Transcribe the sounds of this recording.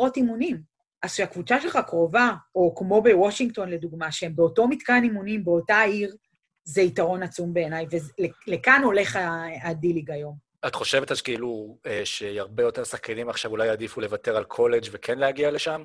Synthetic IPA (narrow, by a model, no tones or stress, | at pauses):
otimunim | ʔazʃeakvut͡saʃe̞lχakʁo̞vaokmo̞be̞woʃiŋɡto̞nle̞duɡmaʃee̞mbeoto̞mitkanimunimbe̞o̞taiʁ | zeitaʁo̞nat͡sumbe̞ːnajvezlele̞kano̞le̞χaadiliɡajo̞m | atχo̞ʃe̞vetakeilueʃeaʁbe̞jo̞te̞ʁsaχkʰanimaχʃavulajadifule̞vate̞ʁalkʰo̞led͡ʒvekʰenleaɡiale̞ʃam